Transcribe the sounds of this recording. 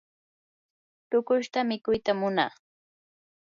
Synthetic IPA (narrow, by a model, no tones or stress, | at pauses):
t̪ʊkʊʃt̪amɪkʊjt̪amʊnɑ̰χ